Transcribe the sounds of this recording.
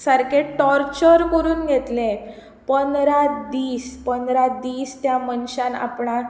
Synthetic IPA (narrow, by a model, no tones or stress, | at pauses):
səɾkeʈɔɾt͡ɕəɾkəɾuːnɡʱet̪le | pənɾad̪iːspənd̪ɾad̪iːst̪jamənɕãna̰pɳa